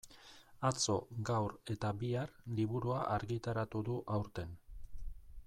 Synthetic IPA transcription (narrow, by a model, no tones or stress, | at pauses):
at͡so̞ɡawɾe̞t̪abiarliβuɾuaʔaɾɣit̪aɾat̪uðuʔawɾt̪e̞n